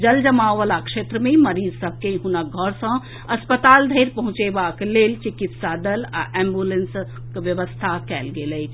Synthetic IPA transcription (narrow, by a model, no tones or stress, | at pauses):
d͡ʒəld͡ʒəmaːʋəlakʃeːt̪ɾəmẽməɾiːzsəb̚ʱkeɦunaɡʱɔɾsə̃ | ɐspət̪aːld̪ʱəɪɾpɐɦʊ̃t͡ʃebaːkleːlt͡ʃɪkit̪saːd̪əla̰ʔɛ̃ːmbjulẽns | kʋjəʋəst̪ʰakɛːlɡeːləi